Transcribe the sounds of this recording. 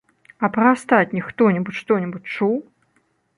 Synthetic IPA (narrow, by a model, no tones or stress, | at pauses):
ɐpɾɐast̪at͡sʲnʲixt̪ɔnʲibut͡sʲʂt̪ɔnʲɛbut͡sʲt͡ʂuw